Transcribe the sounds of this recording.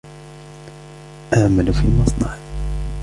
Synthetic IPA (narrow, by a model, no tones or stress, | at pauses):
ʔaʕmalufḭmɑsˤnɑʕ